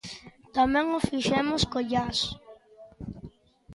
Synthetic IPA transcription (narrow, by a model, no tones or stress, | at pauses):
t̪amɛ̃ŋofiʃɛmʊskoʎas